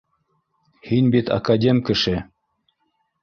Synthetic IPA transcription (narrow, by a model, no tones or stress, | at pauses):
hinbit̪ɐ̰kadʲemʲkɘ̆ʃɘ